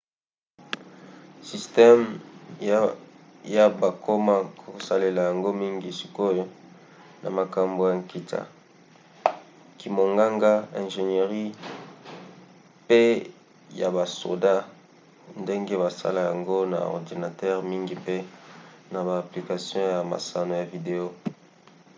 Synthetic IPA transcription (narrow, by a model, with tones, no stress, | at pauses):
si˨stɛ˦m | ja˦ba˨kʰo˦ma˦kʰo˨sa˨le˨la˨ja˨ŋɡo˦mi˦ŋɡi˨si̥˨ko˦jo˦ | na̰˨ma˨ka˨mbo˨ja˨ŋki˨ta̰˨ | ki˨mo˨ŋɡa˦ŋɡa˦ɛ̃˨nʒe˨ne˨ʁi˦ | pe˦ | ja˨ba˨so̰˨da˦ | nde˦ŋɡe˦βa˨sa̰˦la˨ja˨ŋɡo˦na̰˨ɔ̰˨ʁdi˨na˨tɛ˦ʁmi˦ŋɡi˨pe˦na˨baː˨pli˨ka˨sjɔ̃˦ja˨ma̰˨sa˨no˨ja˨vi˨de˨o˦